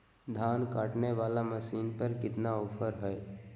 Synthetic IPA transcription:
d̪ʱaːnkaːʈneʋaːlaməsiːnpəɾkɪt̪naoːpʰəɾɦɛː

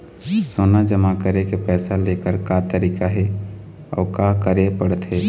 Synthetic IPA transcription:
soːnad͡ʒəmakəɾekepɛːsalekəɾkat̪əɾiːkaɦe | ɔ̰ːkakəɾepəɽt̪ɦeː

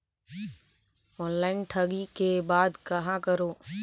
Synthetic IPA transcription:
ɔ̃ːnlaːɪnʈʰɐɡikebaːd̪kɐɦãkəɾoː

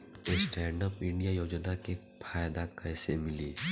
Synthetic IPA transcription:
esʈɛ̃ːɳɖəpɪ̃ɳɖijajoːd͡ʒnake | pʰaːjd̪akɛːsemɪliː

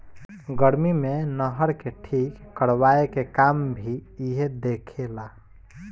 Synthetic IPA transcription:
ɡəɾmimenəɦəɾkeʈʰikːəɽwaekekambʱiiɦed̪ekʰela

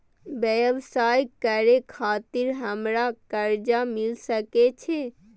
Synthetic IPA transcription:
bjəjbsajkəɾekʰat̪iɾɦəmɾakəɾd͡ʒamilsəket͡ʃʰe

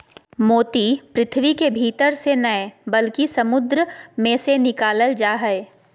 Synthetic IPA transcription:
moːt̪ipɾɪt̪ʰʋikebʱiːt̪əɾsenɐebɐlkisɐmʊd̪ɾəmẽsenɪkaːləld͡ʒaːɦɛe

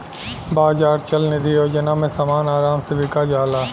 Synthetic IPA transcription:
baːzaːɾt͡ʃɐlnɪd̪ʱijoːd͡ʒənamẽsɐmaːnaːɾaːmseʋɪkad͡ʒaːlaː

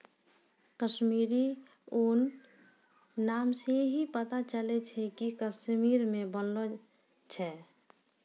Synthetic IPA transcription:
kəʃmiɾi | oːn | amseɦipət̪at͡ʃəlɛt͡ʃʰɛkikəsmiɾmẽbənlo | t͡ʃʰɛ

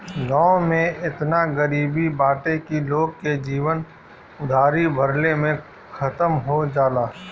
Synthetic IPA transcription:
ɡãːõmẽʔɪt̪naɡəɾiːbibaːʈekiloːɡ̚ked͡ʒiːʋən | ʊd̪ʱaːɾibʱəɾlemẽ | xʰɐt̪əmɦod͡ʒaːlaː

